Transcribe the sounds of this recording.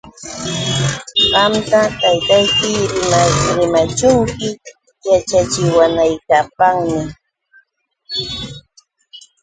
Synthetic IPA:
ɢɑmt̪at̪ajt̪ajkɪɾɪmaɾɪmat͡ʃʊŋkɪ | jat͡ʃat͡ʃɪwanajkapaŋmɪ

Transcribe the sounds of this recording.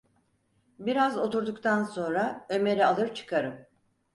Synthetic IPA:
biɾazo̞t̪ʰuɾd̪ukt̪ʰanso̞nɾaø̞me̞ɾialˠɯɾt͡ʃʰɯ̥kʰaɾɯm

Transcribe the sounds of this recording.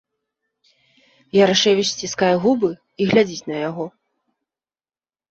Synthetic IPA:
jaɾaʂɛwʲisʲt͡sʲiskajɛɣubɨ | iɣlʲad͡zʲit͡sʲnɐjaɣɔ

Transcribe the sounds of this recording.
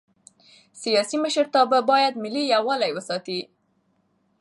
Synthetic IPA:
sijɑsiməʃəɾt̪ababɑjad̪mɪlijawalajwəsɑt̪i

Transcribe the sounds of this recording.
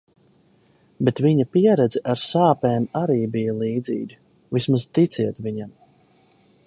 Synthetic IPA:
bet̪viɲapiɛɾɛd̪zɛʔaɾsaːpɛːmaɾiːbijalˠiːd̪zḭːɡʲi | vismaz̥t̪it̪siɛt̪viɲam

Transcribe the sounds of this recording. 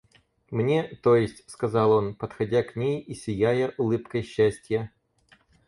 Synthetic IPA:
mnʲet̪ojɪsʲtʲskɐzɑlˠo̞npət̪xɐdʲaknʲejisʲɪjæjəʔʊlˠɨpkəjɕːæsʲtʲjə

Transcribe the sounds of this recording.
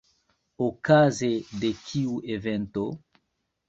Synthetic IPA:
okazed̪ekʰiuevent̪o

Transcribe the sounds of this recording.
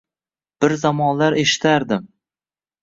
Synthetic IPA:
b̥ɪɾzamɒnlaɾʔe̞ʃɪ̥t̪ʰaɾd̪ɪm

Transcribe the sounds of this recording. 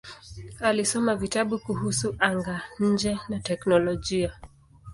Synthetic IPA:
alisɔmavitaɓukuhusuʔaŋɡaɲ̩d͡ʒɛnatɛknɔlɔʄia

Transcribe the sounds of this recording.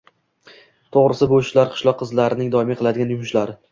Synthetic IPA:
t̪ʰoʁɾɪsɪboʃlaɾqʰɨ̥ʃlˠɒqʰːɨzlaɾɪnɪŋd̪ɒɪmaqʰɨlˠad̪ɪɡʲanjʊmʊʃlaɾɪ

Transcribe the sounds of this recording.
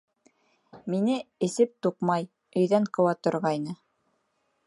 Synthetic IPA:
minɘɘ̆sɘp̚t̪uqmɑj | ɵ̆jðæŋqɤ̆wɑt̪ŏɾʁɑjnɤ

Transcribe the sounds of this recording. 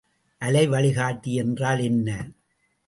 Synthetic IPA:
ʔɐlɐɪʋɐɭɪɣaːʈːijɛndraːlɛnːɐ

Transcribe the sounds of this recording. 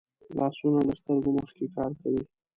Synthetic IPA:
lɑsunad̪əst̪əɾɡoməxkekɑɾkawi

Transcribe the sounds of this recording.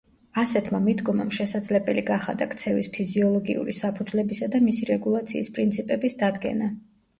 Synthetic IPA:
asɛt̪ʰmamid̪ɡɔmamʃɛsad̪zlɛbɛliɡaχa̰d̪akʰt̪sʰɛvispʰiziɔlˠɔɡḭṵɾisapʰud̪zlɛbisad̪amisiɾɛɡulˠat̪sʰiːspʼɾint̪sʰipʼɛbisd̪ad̪ɡɛ̰na

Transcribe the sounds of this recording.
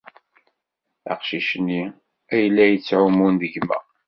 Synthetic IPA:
æ̰qʃiʃənːi | æjəlːæjət͡sːʕʊmunðəʝmæ̰

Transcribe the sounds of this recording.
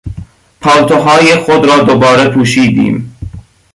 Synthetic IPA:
pʰɒːwt̪ʰoɦɒːjexod̪ɾɒːd̪obɒːɾepʰuːʃiːd̪ḭːm

